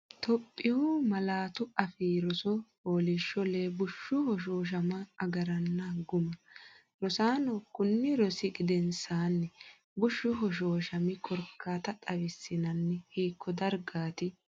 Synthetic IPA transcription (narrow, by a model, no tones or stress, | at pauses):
t̪ʰɔpʼːɪʊmɐlaːt̪ʊɐfiːɾɔsɔhoːlɪʃːɔleːbʊʃːʊhɔʃ̬oːʃ̬ɐmɐːɡɐɾɐnːɐɡʊmɐ | ɾɔsaːnɔkʊnːɪɾɔsɪɡɪd̪ɛnsaːnːɛ | bʊʃːʊɦɔʃ̬oːʃɐmɪkʼɔɾkʰːaːt̪ɐt̪ʼɐwɪsːɪnɐnːɛhiːkːɔd̪ɐɾɡaːt̪ɪ